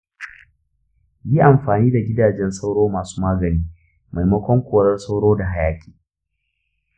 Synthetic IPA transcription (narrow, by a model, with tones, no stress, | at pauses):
ji˦ʔa˨mɸaː˨niː˦da˨ɡʲɪ˦daː˨d͡ʒɛ˦nsa˦wɽoː˦maː˨su̥ː˦maː˦ɡɐ˨niː˦ | ma˨jmɐ˦kʷɔ˦ŋkʷoː˨ɽɐ˦rsa˦wɽoː˦da˨ɦa˦jaː˨kʲʰʼi̥ː˨